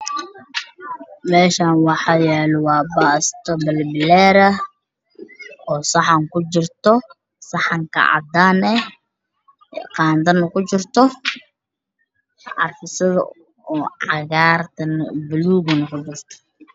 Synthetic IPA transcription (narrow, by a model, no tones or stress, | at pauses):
mɛːʃaːnwɑħɑːjɛːlwɑːbaːst̪ʰɔbɐlbɪlɛːɾɐ | ɔːsɑħɐŋkʊt͡ʃɪrt̪ɔ | sɑħɑŋkʰɐ̰ʕɑ̰d̪aːnɛ | qɑːnt̪ɐnːɐkʰʊt͡ʃɪrt̪ʰɔ | ʕɑ̰rfɪsɪðɐ̰ | uʕɑ̰ɣaːrt̪ʰɐnbɪluːɣʊnɐkʰʊd͡ʒɪrt̪ʰɔ̥